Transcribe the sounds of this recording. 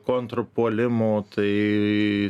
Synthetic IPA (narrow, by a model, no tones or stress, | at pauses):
koːnt̪ɾopoːlʲɪmoːt̪ɐɪ